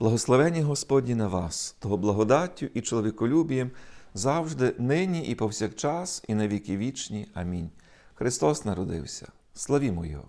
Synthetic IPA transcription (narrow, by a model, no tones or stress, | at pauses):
b̥lˠɐɦɔslˠɔʋɛnʲːiɦɔspɔdʲnʲinɐʋɑst̪ɔɦɔblˠɐɦɔd̪ɑtʲːʊʔit͡ʃɔlˠɔʋʲikɔlʲubʲijɛmzɑwʒd̪ɪnɪnʲiʔipɔwsʲakt͡ʃɑsinɐʋʲikɪʋʲit͡ʃnʲiɐmʲinʲ | xɾɪst̪ɔsnɐɾɔd̪ɪ̰wsʲɐ̰ | slˠɐʋʲimɔjɔ̰